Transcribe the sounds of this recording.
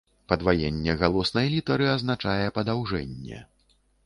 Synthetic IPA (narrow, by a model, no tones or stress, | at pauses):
pɐd̪vajenʲːɛɣalˠɔsnɐjlʲit̪ɐɾɨɐznat͡ʂajɛpɐd̪awʐɛnʲːɛ̰